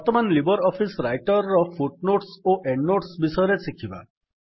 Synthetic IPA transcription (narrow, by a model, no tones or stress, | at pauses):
bɔɾt̪ɔmanlibɔɾɔpʰisɾajʈɔɾːɔpʰuʈ̚noʈsoʔeɳɖnoʈsbisɔjɔɾesikʰiba̰